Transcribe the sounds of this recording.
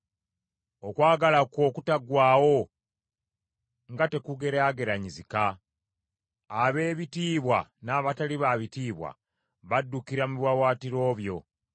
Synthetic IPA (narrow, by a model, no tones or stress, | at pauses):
okwaːɡalako̞ːkutaɡwaːwo̞ | ŋɡate̞kuɡe̞ɾaɡe̞ɾaɲizika | βe̞ːβitiːβwanaːβataliβaβitiːβwa̰ | βadːukiɾamuβwawaːtiɾo̞ːβjo̞